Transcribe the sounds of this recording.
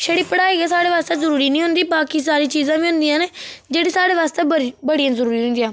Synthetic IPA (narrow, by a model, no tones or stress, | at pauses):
ʃəɽiːpəɽaːeːɡeːsaːɽeːʋaːst̪eːzəɾuːɾiːnĩːɦʊnd̪iːbaːkiːsaːɾiːt͡ʃiːzãːʋiːɦʊ̃nd̪ijãːneːd͡ʒeːɽiːsaːɽeːʋaːst̪eːəbəɽijãːzəɾuːɾiːɦʊnd̪ɪjãː